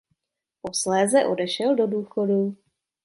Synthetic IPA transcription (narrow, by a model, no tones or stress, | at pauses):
po̞slɛːzɛʔo̞dɛʃɛldo̞duːxo̞du